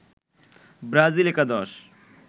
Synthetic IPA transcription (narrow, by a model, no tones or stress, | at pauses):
bɾaːzilekad̪ɔːʃ